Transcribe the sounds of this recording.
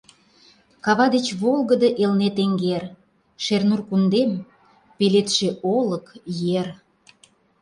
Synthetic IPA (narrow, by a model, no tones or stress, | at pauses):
kɑβɑd̪et͡ɕβolˠɣəd̪ə̆ʔelnet̪eŋɡer | ʃernurkund̪em | pelet̪ʃeʔoləkjer